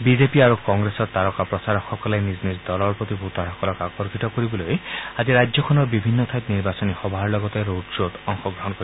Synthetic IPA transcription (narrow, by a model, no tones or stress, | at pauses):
bid͡ʒepiaɾukɔŋɡɾesɔɾt̪aɾɔkapɾɔsaɾɔxɔkɔlajniznisd̪ɔlɔɾpɾɔt̪ibʱut̪ɔɾɔkɔɾɔkakɔɾkit̪ɔkɔɾibɔlojad͡ʒiɾad͡ʒjɔkʰɔnɔbibʱinːɔt̪ʰajt̪niɾbasɔnixɔbʱaɾlɔɡɔt̪eɾoʈd͡ʒot̪ɔŋxɔɡɾɔɦɔnkɔɾi